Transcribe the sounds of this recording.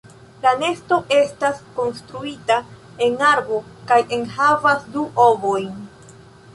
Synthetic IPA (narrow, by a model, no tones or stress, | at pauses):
lane̞sto̞ʔe̞stasko̞nstɾuita | e̞naɾbo̞kajʔe̞nhavasduʔo̞bo̞jn